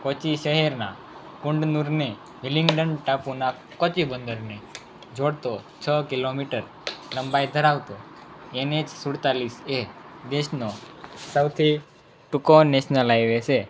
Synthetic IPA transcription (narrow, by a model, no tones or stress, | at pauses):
kot͡ʃiʃəɦɛɾna̰ | kuɳɖnuɾne | ʋiliŋɡɖənʈapuna | kɔt͡ʃibənd̪əɾne | d͡ʒʱoɽt̪o | t͡ʃʰəkilomiʈəɾ | ləmbajd̪ʱəɾaʋt̪o | ened͡ʒsuɽt̪alised̪eʃnosəwt̪ʰi | ʈukoneʃnəlajʋet͡ʃʰe